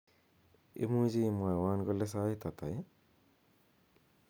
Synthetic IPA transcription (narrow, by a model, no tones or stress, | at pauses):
ḛmuzimajwanɡɔlɛs̬ajt̪at̪a̰j